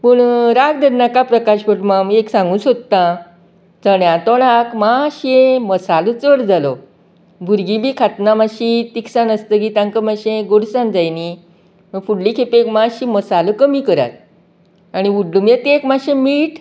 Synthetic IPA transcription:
pəɳɾaɡ̚d̪əɾnakapɾəkaɕpəʈmameksãŋɡũsod̪t̪ːã | t͡səɳjãt̪ɔɳakmaɕẽməsalət͡səɾd͡zalɔ | bʱuɾɡibʱiːkʰat̪namaɕit̪iksanəst̪ək̬iːt̪ãŋkəmaɕẽɡoɽsand͡zajni | məfuɽlikʰepekmãɕiməsaləkəmikəɾa̰t̪̚ | aɽ̃iuɖlumjet̪ekmaɕẽmiːʈ

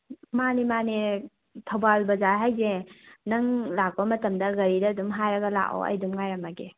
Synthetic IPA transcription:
manimane | tʰɐwbalbɐzaɦajzenɐŋlak̚bɐmɐtɐmdɐɡɐɾidɐdumɦajɾɐɡɐla̰ʔo̰ɐ̰jdumŋajɾɐmaɡe

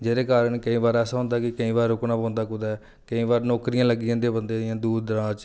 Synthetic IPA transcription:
d͡ʒeːɾeːkaːɾəɳkəĩːbaːɾɛːsãːɦʊ̃nd̪aːkɪkəĩːbaːɾːʊknaːpɔ̃ːnd̪aːkʊd̪aːɛ | kəĩːbaːɾnɔːkɾijãːləɡɪjãːd̪eːbənd̪eːɪjãːd̪uːd̪ɾãːt͡ʃ

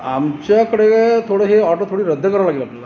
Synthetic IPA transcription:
a̰mt͡ɕakəɽeket̪ʰoɽaɦeaːʈot̪ʰoːɽiɾɐd̪ʱːəkɐɾɐʋlaːɡilapɐlːa

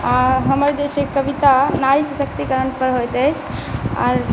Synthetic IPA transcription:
aɾɦəməɾd͡ʒet͡ʃʰekəbit̪anaɾisəsək̚t̪ikəɾənpəɾɦojt̪əjt͡ʃʰa̰ɾ

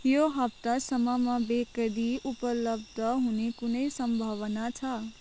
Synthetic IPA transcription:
joɦapt̪asəmamãbekəɽiupələbd̪ʱəɦũnikʊnəjsəmbʱaʋənat͡ʃʰa

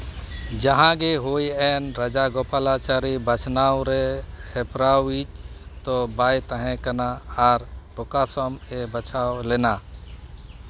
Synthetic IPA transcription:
d͡ʒəɦãɡeɦojɛnɾəd͡ʒaɡopalat͡ʃaɾibət͡ʃʰnawɾehepɾawit͡ʃt̪ɔbajt̪əɦɛ̃kənaaɾpɔkasɔmebət͡ʃʰawlena

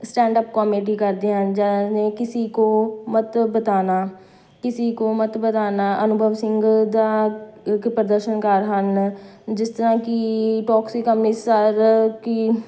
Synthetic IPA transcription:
sʈɛ̃ːɳɖəp̚kaːmeːʈ̬iːkəɾd̪eːɦənd͡ʒɛːneːkɪsiːkoːmət̪bət̪aːnaː | kɪsiːkoːmət̪bət̪aːnaːʔənʊbʱəʋsɪ̃ŋɡd̪aːkpɾəd̪əɾʃənkəɾɦənd͡ʒɪst̪əɾãːkɪʈɔːksikəmnisəɾki

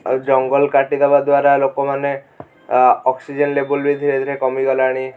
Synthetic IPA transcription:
d͡ʒɔŋɡɔlkaʈid̪ebad̪waɾalokɔmane | ɔksid͡ʒɔnlebulbid̪ʱiɾed̪ʱɾekɔmiɡɔlaɽ̃i

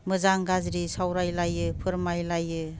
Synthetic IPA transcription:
mɯzaŋɡazɾisawɾajlajɯpʰɯɾmajlajɯ

